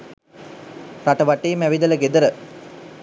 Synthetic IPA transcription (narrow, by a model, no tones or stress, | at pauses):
ɾɐʈɐʋɐʈːejmæʋid̪ɐlɐɡed̪ɐɾə